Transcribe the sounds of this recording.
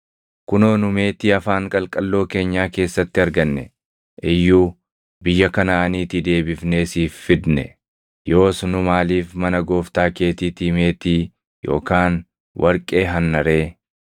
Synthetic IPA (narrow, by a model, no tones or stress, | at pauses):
kʊnoːnʊme̞ːt̪iːɐfaːŋkʼɐlkʼɐlːo̞ːke̞ːɲːaːke̞ːsːɐt̪ːɪɐɾɡɐnːɛ̰ | ʔɪjːuː | bɪjːɐkɐnaɐniːt̪ɪd̪e̞ːbɪfne̞ːsiːfːɪd̪nɛ̰ | jo̞ːsnʊmaːliːfmɐnɐɡo̞ːft̪aːke̞ːt̪iːt̪iːme̞ːt̪iː | jo̞̰ːkaːn | wɐɾkʼe̞ːɦɐnːɐɾe̞ː